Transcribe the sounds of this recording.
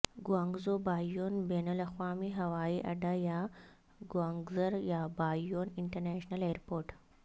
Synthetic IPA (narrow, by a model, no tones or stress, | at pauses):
ɡwaːŋɡzobaːjoːnbenəlɐxʋaːmiːɦɐʋaːiːʔɐ̰ɖaja | ɡwaŋɡzəɾjabaːoːniɳʈəɾnɛɕnəleɾpoːɾʈ